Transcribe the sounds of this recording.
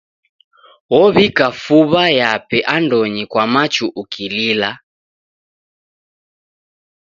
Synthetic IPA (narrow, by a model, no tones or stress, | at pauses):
wɔβikafuβajapɛʔandɔɲikwamat͡ʃuʔukilila